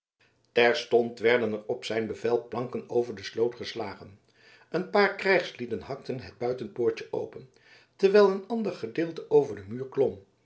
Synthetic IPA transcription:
tɛɹstɔntʋɛɹdənɛrɔpsɛjnbəvɛlˠplɑŋkənowvəɹdəslowtχəslaːχən | ʔənpaːɹkrɛjχslidənɦɑk̚tənɦəd̚bœɥtənpoːɹt͡ʃəʔo̰wpən | tɛɹʋɛjlˠənɑndəɹχədɪːlˠtəʔowvəɹdəmyːɹklɔm

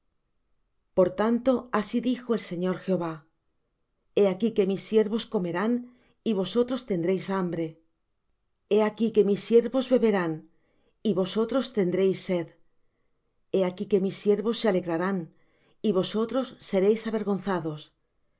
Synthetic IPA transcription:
po̞ɾt̪ant̪o̞asiðixo̞e̞lse̞ɲo̞ɾxeo̞βa | e̞akike̞misːje̞ɾβo̞sko̞me̞ɾan | iβo̞so̞t̪ɾo̞st̪e̞nd̪ɾe̞jsambɾe̞ | e̞akike̞misːje̞ɾβo̞zβe̞βe̞ɾan | iβo̞so̞t̪ɾo̞st̪e̞nd̪ɾe̞jsːe̞ð | e̞akike̞misːjeɾβo̞sːe̞ale̞ɣɾaɾan | iβo̞so̞t̪ɾo̞sːe̞ɾe̞jsaβe̞ɾɣo̞n̟θaðo̞s

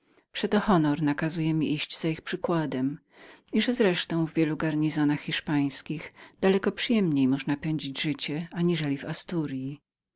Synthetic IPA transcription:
pʂɛt̪ɔxɔnɔɾnakazujɛmʲiʔiɕd͡ʑzaixpʂɘkwad̪ɛm | iʐɛzɾɛʂt̪ɔ̃w̃vvʲjɛluɡaɾɲizɔnaxxʲiʂpaj̃skʲiɣd̪̥alɛkɔpʂɨjɛmɲejmɔʐnapɛɲd͡ʑid͡ʑʐɘt͡ɕɛaɲiʐɛlʲivast̪uɾji

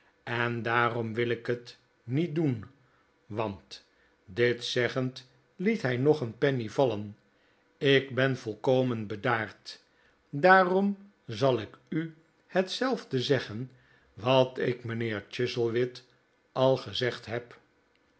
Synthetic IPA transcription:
ɛndaːrɔmʋɪlɪkɦət | nit̚dun | ʋɑnt | dɪtsɛχənt | litɦɛjnɔχənpɛnivɑlən | ɪɡbɛnvɔlˠkowmənbədaːɹt | daːrɔm | zɑlˠɪky | hətsɛlˠvdəzɛχən | ʋɑtɪkmənɪːɹt͡ʃɪsəlˠʋɪt | ʔɑlˠχəzɛχtɦɛp

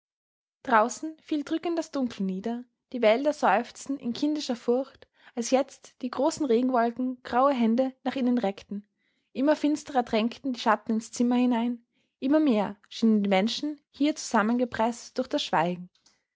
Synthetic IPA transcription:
d̥ʁaʊsn̩fiːldʁʏkən̩td̥asd̥ʊŋkʰləniːdɐ | d̥iːvɛldɐzɔʏft͡sn̩ɪ̰nkʰɪndɪʃɐfʊɐçt | alsjɛt͡std̥iːɡʁoːsn̩ʁeːɡŋ̩vɔlkŋ̩ɡ̥ʁaʊəɦɛndənaːχʔɪnənʁɛktn̩ | ʔɪmɐfɪnstəʁɐdʁɛŋktn̩diːʃatn̩ɪnst͡sɪmɐhɪnaɪn | ʔɪmɐmeːɐʃiːnəndiːmɛnʃn̩hiːɐt͡su̥zamənɡəpʁ̥ɛstd̥ʊɐxd̥asʃv̥aɪɡŋ̩

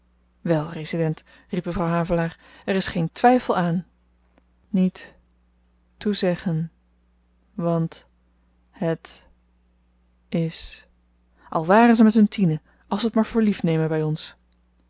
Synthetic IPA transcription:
ʋɛlˠrezidɛnt | ripməvrɑwɦaːvəlaːɹɛrɪsχejntʋɛjfəlˠaːn | it | uzɛχən | ʋɑnt | hət | ɪs | ʔɑlˠʋaːrənzəmɛtɦɵntʰinə | ʔɑlˠsəətmaːɹv̥ʊːɹlifnejmənbɛjɔns

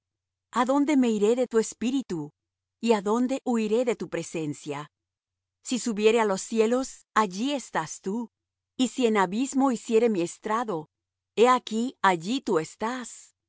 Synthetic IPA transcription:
aðo̞nd̪e̞me̞iɾe̞ðe̞t̪ue̞spiɾit̪u | iaðo̞nd̪e̞ʔuiɾe̞ðe̞t̪upɾe̞se̞nsja | sisuβje̞ɾe̞alo̞sːje̞lo̞s | aʝie̞st̪ast̪u | isie̞naβizmo̞isje̞ɾe̞mie̞st̪ɾaðo̞ | eakiaʝit̪ue̞st̪as

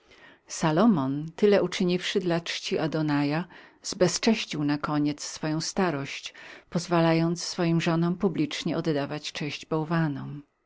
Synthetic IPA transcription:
salɔmɔnt̪ɘlɛʔut͡ʂɘɲifʂɘd̪lat͡ʂt͡ʂt͡ɕiʔad̪ɔnajaz̥bɛst͡ʂɛɕt͡ɕiwnakɔɲɛt̪sːfɔjɔ̃w̃st̪aɾɔɕt͡ɕpɔzvalajɔnt̪sːfɔjimʐɔnɔ̃mpublʲit͡ʂɲɛɔd̪d̪avat͡ɕt͡ʂɛɕd͡ʑbɔwvanɔm

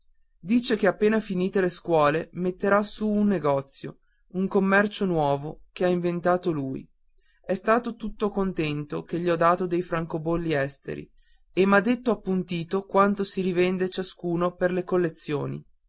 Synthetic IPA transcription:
d̪iːt͡ʃekeapːeːnafiniːt̪eleskwɔːlemet̪ːeɾasuːnːeɡɔt̪sːjo | uŋkomːɛrt͡ʃonwɔːvokeaiɱvent̪aːt̪oluːj | ɛst̪aːt̪ot̪ut̪ːokont̪ɛnt̪okeʎiɔd̪ːaːt̪od̪ejfɾaŋkobolːiɛst̪ḛɾḭ | emːad̪ːet̪ːoapːunt̪iːt̪okwant̪osiɾivɛnd̪et͡ʃaskuːnoperlekolːet̪sːjo̰ːnḭ

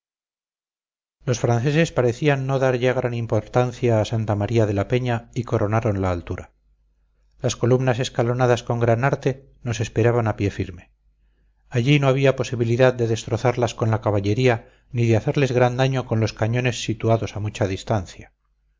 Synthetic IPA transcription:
lo̞sfɾanθe̞se̞spaɾe̞θianːo̞ðaɾʝaɣ̞ɾanimpo̞ɾt̪anθjaːsant̪amaɾiaðe̞lape̞ɲaiko̞ɾo̞naɾo̞nlaːlt̪uɾa | lasko̞lumnase̞skalo̞naðasko̞ŋɡɾanaɾt̪e̞ | no̞se̞spe̞ɾaβanapje̞fiɾme̞ | aʎino̞aβ̞iapo̞siβiliðað̚d̪e̞ðe̞st̪ɾoθaɾlasko̞nlakaβaʎe̞ɾia | niðeaθe̞ɾle̞zɣɾand̪aɲo̞ko̞nlo̞skaɲone̞sːit̪uaðo̞samut͡ʃaðist̪anθja

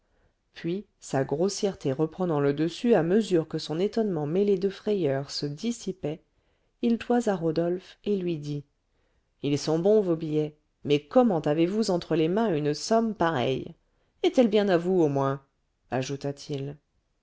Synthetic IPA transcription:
pɥi | saɡʁosjɛʁt̪ʰeʁəpχənɑ̃ləd̪əsyaməzyʁkəsɔ̃net̪ɔnmɑ̃meled̪əfχɛjœʁsəd̪isipɛ | ilt̪wazaʁod̪ɔlfelɥid̪i | ilsɔ̃bɔ̃vobijɛ | mɛkɔmɑ̃t̪avevuzɑ̃t̪χəlemɛ̃ynsɔmpaʁɛ̰j | ɛt̪ɛlbjɛ̃navuomwɛ̃ | aʒut̪at̪ʰil

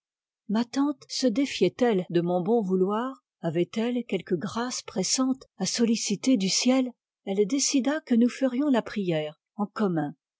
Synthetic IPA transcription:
mat̪ɑ̃t̪səd̪efjɛt̪ɛld̪əmɔ̃bɔ̃vulwaːʁ | avɛt̪ɛlkʲɛlkəɡʁaspχɛsɑ̃t̪asɔlisit̪ed̪ysjɛl | ɛld̪esid̪akənufəʁjɔ̃lapχijɛːʁ | ɑ̃kɔmɛ̃

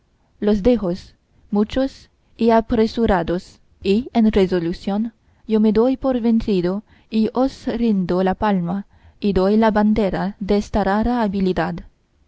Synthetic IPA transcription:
los̬d̪exos | mut͡ʃos | iapɾesuɾad̪os | ienrezolusjon | jomed̪ojpoɾventɾid̪o | iʔosɾind̪olapalma | id̪ojlaband̪eɾad̪eestaɾaɾaːbilid̪ad̪

